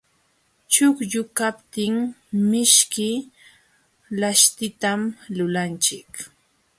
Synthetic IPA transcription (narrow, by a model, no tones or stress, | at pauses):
t͡ʃʊkʎʊkapt̪ɪŋmɪʃkɪ | laʃt̪ɪt̪amlʊlant͡ʃɪk